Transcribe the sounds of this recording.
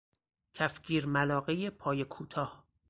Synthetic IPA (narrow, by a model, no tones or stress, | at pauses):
cʰæfɡiːɾmælɒːɣejepʰɒːjekʰuːt̪ʰɒːh